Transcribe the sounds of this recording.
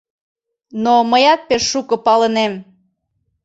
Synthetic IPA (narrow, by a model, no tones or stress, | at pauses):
noməjɑt̪̚peʃːukɤ̆pɑlənem